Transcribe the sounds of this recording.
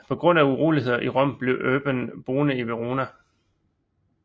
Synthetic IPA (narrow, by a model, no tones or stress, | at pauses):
pʰɒ̽ɡ̥ʁɔ̽n̰æuʁoːlihe̝ð̰ˠɐʔiʁɒ̽m̰b̥le̝ʊʔøːb̥ənb̥o̝ːnəiʋeʁo̝ːnæ